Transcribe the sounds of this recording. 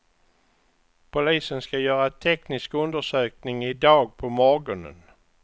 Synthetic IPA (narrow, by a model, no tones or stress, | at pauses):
pʰʊliːsənskajœːɾat̪ʰɛknɪskɵnd̪əʂøːknɪŋɪd̪ɑːɡ̚pʰɔmɔɾɡɔnə̰n